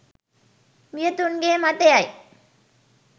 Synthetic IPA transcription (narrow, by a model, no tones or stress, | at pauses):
mijɐt̪ːunɡeːmat̪ːejaj